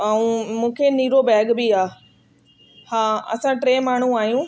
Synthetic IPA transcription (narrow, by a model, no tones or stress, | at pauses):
aːũmũːkʰeniːɾobɛːɡbiaː | hãːɐ̰sãʈɾeːmaːɳ̤ũaːɦjũː